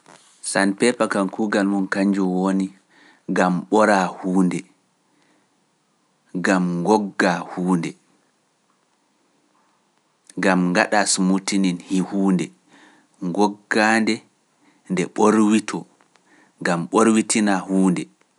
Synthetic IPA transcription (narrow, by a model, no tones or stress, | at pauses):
sanpɛpakankuɡalmunkaɲd͡ʒuwoni | ɡamɓɔɾahuːndɛ | ɡamŋɡɔɡːahuːndɛ | ɡamŋɡaɗasumutininhihuːndɛ | ŋɡɔɡːandɛ | ndɛɓoɾwitʰɔ | ɡamɓoɾwitinahuːndɛ